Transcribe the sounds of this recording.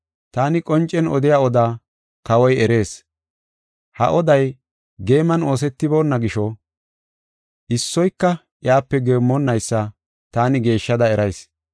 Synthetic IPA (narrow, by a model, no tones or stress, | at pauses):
t̪aːnɪkʼɔnt͡ʃʼːɛnɔ̰d̪ɪjaːɔd̪aː | kɐwɔjɛɾe̞ːs | hɐ̰ʔɔd̪ɐj | ɡe̞ːmɐno̞ːs̬ɛt̪ːɪbo̞ːnːɐɡɪʃɔ | ʔɪsːɔjkːɐ | ʔjaːpːɛɡeːmːɔnːɐjsːɐ | t̪aːnɪɡe̞ːʃːɐd̪ɐɛɾɐjs